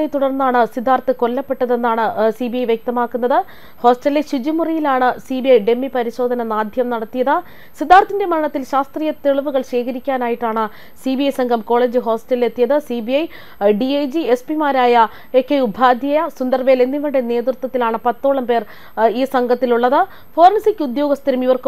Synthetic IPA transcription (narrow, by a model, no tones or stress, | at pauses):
ɐjt̪uɽɐrnːaːɳɨsid̪ʱːaːrt̪ːɨko̞lːɐpːe̞ʈːɐðe̞nːaːɳɨsibijɐjʋjek̚t̪ɐmaːkːunːɐðɨ | ho̞ːsʈɐlːeɕid͡ʑimurijilaːɳɨsiːbijɐjɖe̞mːipɐɾiɕo̞ːd̪ʱɐnɐnaːd̪ʱjɐmnɐɽɐt̪ːijɐðɨ | sid̪ʱːaːrt̪ːinde̞mɐɐɳɐt̪ːilɕaːst̪riːjɐt̪eɭuʋuɣɐɭɕe̞ːkʰɐɾikʲːaːnaːjiʈːaːɳɨ | sibiɐjsɐŋɡʱɐmko̞ːɭe̞ːd͡ʑɨɦo̞ːsʈɐle̞t̪ːijɐðɨsibijɐj | ɖiejd͡ʑie̞spimaːɾaːjɐ | e̞ːkːeubʱaːd̪ʱjɐjɐsund̪ɐrʋele̞nːiʋɐɳɖene̞ːd̪rɨt̪wɐt̪ːilaːɳɨpɐt̪ːoːɭɐmpe̞ːr | iːsɐŋɡʱɐt̪ːiluɭːɐðɨ | fo̞ːrɐnsikʲːud̪jo̞ːɡɐst̪ʰɐɾɐmiʋɐrkɨ